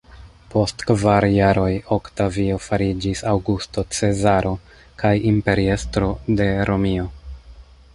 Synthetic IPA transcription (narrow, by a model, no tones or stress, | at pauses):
po̞stkvaɾjaɾo̞jo̞ktavio̞faɾid͡ʒisawɡusto̞t͡se̞zaɾʔo̞ | kajimpe̞ɾie̞stɾo̞de̞ɾʔo̞mio̞